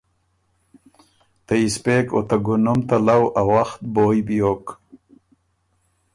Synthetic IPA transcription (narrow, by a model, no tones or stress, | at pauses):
t̪aispeko̰t̪aɡunumt̪alawawaxt̪̚boːjbijoːk